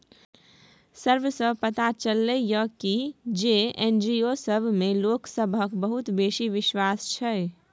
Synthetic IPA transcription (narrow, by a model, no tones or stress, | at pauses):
səɾʋsəbpət̪at͡ʃəlːɛjəkid͡ʒeend͡ʒiosəbʱmeloksəbʱəkbəɦut̪besiʋiʃwast͡ʃʰɛe